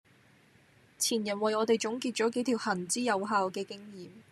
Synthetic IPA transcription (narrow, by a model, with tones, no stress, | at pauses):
t͡sʰiː˨˩njɐ˨˩nwɐ˨jɔː˨˧t̪e˨jt͡ʃʊ˨˥ŋkiː˧t̚t͡ʃɔː˨˥ke˨˥jt̪ʰi˨˩whɐ˨˩nt͡siː˥jɐ˨˧wɦaː˧wkɛː˧kɪ˥ŋjiː˨m